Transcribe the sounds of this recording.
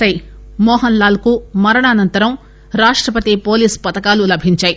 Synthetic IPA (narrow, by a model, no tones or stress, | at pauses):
ɐjmɔːɦɐnlaːlɐkumɐɾɐɳaːnɐnt̪ɐɾɐm | ɾaːʂʈɾɐpɐt̪ipo̞ːliːspɐt̪ɐkaːlulɐbʱiɲt͡ʃaːji